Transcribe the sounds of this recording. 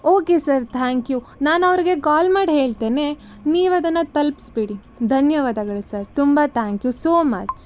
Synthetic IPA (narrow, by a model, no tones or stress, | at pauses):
oːkesɐɾt̪ʰaːŋkju | naːnɐʋɐɾiɡe̞kaːlmaːɖɦeːɭt̪eːne | niːʋɐd̪ɐnːɐt̪ɐlpi̥sbeɽi | d̪ʱɐnjɐʋaːd̪ɐɡɐɭusɐɾt̪umbat̪ʰaːŋkjusoːmɐ̰t͡ʃ